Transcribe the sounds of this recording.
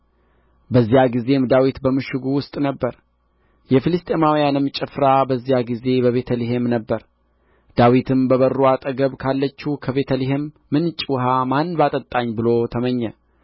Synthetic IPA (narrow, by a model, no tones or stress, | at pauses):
bəzːijaɡize̞md̪awit̪bəmɨʃɪɡuwʊst̪ʼnəbːəɾ | jɛfɨlɨst̪ʼe̞mawjanɨmt͡ʃʼɪfɾabəzːijaɡize̞bəβe̞t̪ʰəliɦemnəbːəɾ | d̪̥awit̪ʰɨmbəβəruat̪ʼəɡəβkʰalːət͡ʃːukʰəβe̞t̪ʰəliɦemːɨnt͡ʃʼwɦamanbat̪ʼət̪ʼːaɲːbɨlo̞t̪ʰəməɲːə